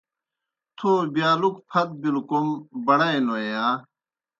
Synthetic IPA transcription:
t̪ʰoːbjaːlukpʰɐt̪̚bilkombɐɽɐĩnoejaː

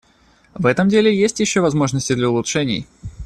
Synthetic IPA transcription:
vɛt̪əmdʲelʲɪjesʲtʲjɪɕːovɐzmo̞ʐnəsʲtʲɪd̪lʲəʊlˠʊtʂɛnʲɪ̰j

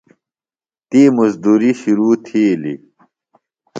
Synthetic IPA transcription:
t̪imuzd̪uːɾiɕuɾuːt̪ʰiːlḭ

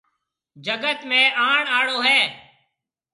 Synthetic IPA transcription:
d͡ʒəɡət̪mẽːaːɳaːɽoːɦɛː

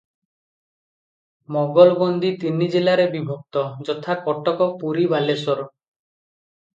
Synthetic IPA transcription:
mɔɡɔlɔbɔnd̪it̪inid͡ʒelaɾebibʱɔk̚t̪ɔd͡ʒɔt̪ʰakɔʈɔkɔpuɾibʱalesɔɾɔ

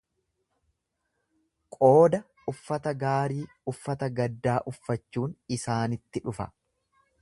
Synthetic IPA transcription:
kʼo̞ːd̪ɐ | ʊfːɐt̪ɐɡaːɾiː | ʊfːɐt̪ɐɡɐd̪ːaːʔʊfːɐt͡ʃːuːnɪsaːnɪt̪ːɪᶑʊfɐ̰

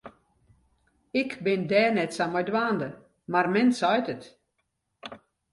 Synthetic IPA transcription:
ɪkbɪndɛːnɛtsamɔjdwaːndə | marmɛnsɔjtət

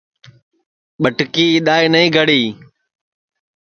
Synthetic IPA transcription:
ɓəʈkiːɪɗ̪aːiːnəĩːɡʱəɽiː

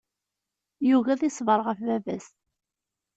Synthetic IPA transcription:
juɣæðisˤvəɾˤʁəfvævæst̪

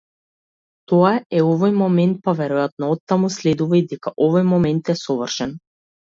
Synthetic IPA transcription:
t̪ɔaɛɔvɔjmɔmɛnt̪̚pavɛɾujat̪̚nɔɔt̪ːamuslɛd̪uvaid̪ɛkaʔɔvɔjmɔmɛnt̪ɛsɔvərʃɛn

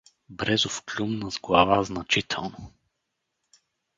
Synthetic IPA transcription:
bɾɛzʊfklʲumnəzɡlˠavaznɐt͡ʃit̪ʰɛ̰lˠnʊ

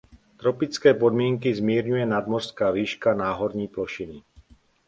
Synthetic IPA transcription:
t̪ɾɔpit͡skɛːpɔd̪mɪɛŋkizmiːɾɲujɛnad̪mɔr̥skaːviːʃkanaːɦɔɾɲiːplɔʃini

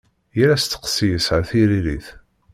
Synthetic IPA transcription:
jəɾæst̪ːə̥qsijəsʕəθiɾiliθ

